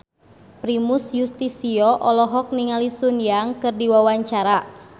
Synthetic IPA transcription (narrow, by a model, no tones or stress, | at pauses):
pɾimusjust̪isiɔʔɔlɔɦɔk̚niŋalisunjaŋkɨrdiwawaɲt͡ʃaɾa